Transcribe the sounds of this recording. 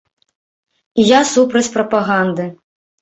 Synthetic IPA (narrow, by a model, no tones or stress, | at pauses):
jasupɾɐt͡sʲpɾɐpaɣand̪ɨ